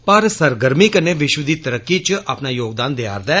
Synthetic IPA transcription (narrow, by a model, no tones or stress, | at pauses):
pəɾsəɾɡəɾmiːkəneːʋɪʃwəd̪iːt̪əɾəkːiːt͡ʃaːpnaːjoːɡ̚d̪aːnd̪ea̰ːɾd̪ɛː